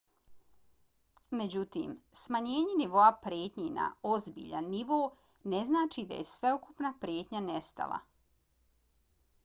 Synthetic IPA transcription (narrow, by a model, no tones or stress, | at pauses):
me̞d͡ʑut̪ḭːmsmaɲe̞ːɲeniʋo̞apɾjeːt̪ɲina̰o̞zbḭːʎanːiʋoː | ne̞znaːt͡ʃid̪a̰jesʋe̞ukupnapɾjeːt̪ɲanest̪a̰lʔa̰